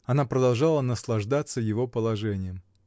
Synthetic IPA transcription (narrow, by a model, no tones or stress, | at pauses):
ɐnapɾəd̪ɐlˠʐalˠənəslˠɐʐd̪at̪sːəjɪvo̞pəlˠɐʐɛnʲɪjəm